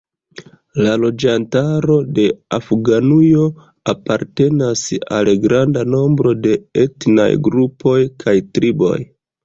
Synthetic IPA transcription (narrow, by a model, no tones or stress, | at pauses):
lalo̞d͡ʒantaɾo̞de̞afɡanujo̞ | apaɾte̞nasa̰lɡɾandano̞mbɾo̞de̞etna̰jɡɾupʰo̞jkʰajtɾibo̞̰j